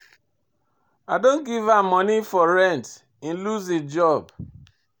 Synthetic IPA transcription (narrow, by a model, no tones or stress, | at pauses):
adon̩ɡivamɔnifɔɾɛnt | in̩luzid͡ʒɔb